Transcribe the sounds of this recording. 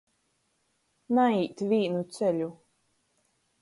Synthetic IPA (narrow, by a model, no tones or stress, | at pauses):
naiːt̪vʲiːnut̪sɛʎʲu